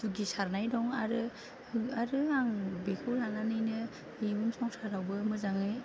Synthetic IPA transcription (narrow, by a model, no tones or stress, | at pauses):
d̥uɡisaɾnajdɔŋaɾɯ | ɯaɾɯaŋbekʰɯlananɯjnɯ | ibɯmsʰɔŋsaɾawbɯmɯzaŋɯj